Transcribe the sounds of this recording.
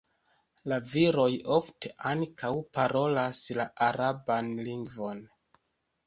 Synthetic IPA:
laviɾo̞jo̞fte̞ʔaŋkʰawpaɾo̞laslaʔaɾabanliŋɡvo̞n

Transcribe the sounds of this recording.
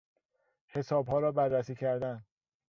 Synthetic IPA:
he̞sɒːbhɒːɾɒːbærːæsiːcʰæɾd̪æn

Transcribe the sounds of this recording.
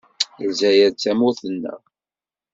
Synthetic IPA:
zæjæt͡sːæmʊθənːə̰

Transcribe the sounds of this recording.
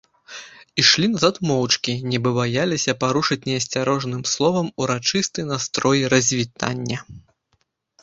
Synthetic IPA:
iʂlʲinazat̪mɔwt͡ʂkʲinʲɛbɨbajalʲisʲɐpaɾuʂɨt͡sʲnʲɛɐsʲt͡sʲaɾɔʐnɨmslˠɔvɐmuɾat͡ʂɨst̪ɨjnast̪ɾɔjiɾɐzʲvʲit̪a̰nʲːɐ

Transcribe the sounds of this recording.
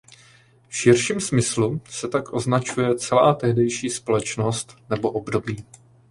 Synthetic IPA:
fʃɪrʃiːmsmɪslusɛt̪akʔo̞znat͡ʃujɛt͡sɛla̰ːt̪ɛɦdɛjʃiːspo̞lɛt͡ʃno̞st̪nɛbo̞ʔo̞bdo̞biː

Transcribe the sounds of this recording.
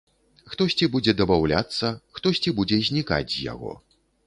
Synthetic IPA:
xt̪ɔsʲt͡sʲibud͡zʲɛd̪ɐbawlʲa̰t̪sːɐxt̪ɔsʲt͡sʲibud͡zʲɛzʲnʲika̰d͡zʲzja̰ɣɔ̰

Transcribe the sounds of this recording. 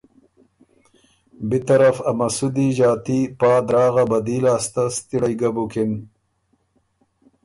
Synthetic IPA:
bit̪ɐɾafɐmɐsud̪iʒɑːt̪ipɑːd̪ɾɑːɣabɐd̪iːlaːst̪ast̪iɽajɡabukin

